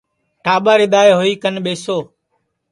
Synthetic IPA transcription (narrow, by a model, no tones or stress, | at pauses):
ʈaːɓaːɾɪɗ̪aːjɦoːiːkənɓeːsoː